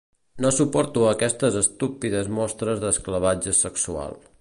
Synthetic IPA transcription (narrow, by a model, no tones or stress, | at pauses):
nosupɔɾt̪uəkɛst̪əzəst̪upiðəzmɔst̪ɾəzðəskləβad͡ʒəsəksua̰lˠ